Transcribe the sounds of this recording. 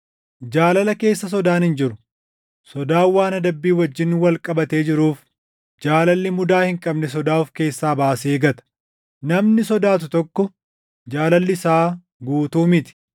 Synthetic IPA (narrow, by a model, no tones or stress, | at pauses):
d͡ʒaːlɐlɐke̞ːsːɐs̬ɔd̪aːnhɪnd͡ʒɪɾʊ | sɔd̪aːwːaːnɐd̪ɐbːiːwɐd͡ʒːɪnːwɐlkʼɐbɐt̪e̞ːd͡ʒɪɾuːf | d͡ʒaːlɐlːɪmʊd̪aːhɪŋkʼɐbnɛs̬ɔd̪aːʊfke̞ːsːaːbaːseːɡɐt̪ɐ̥ | nɐmnɪsɔd̪aːt̪̬ʊt̪ɔkːɔ | d͡ʒaːlɐlːɪsaː | ɡuːt̪uːmɪt̪ɪ̥